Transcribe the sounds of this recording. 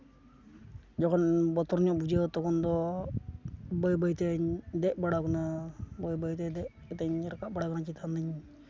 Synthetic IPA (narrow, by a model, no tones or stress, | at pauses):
d͡ʒɔkɔnbɔt̪ɔɾɲɔʔbud͡ʒet̪ɔkɔnd̪ɔ | bɔjbəjt̪ɛɲd̪ɛʔbaɽakɔnabɔjbəjt̪ɛd̪ɛʔ | t̪ɛɲɾɔkaʔbaɽakɔnat͡ʃit̪ʰand̪aɲ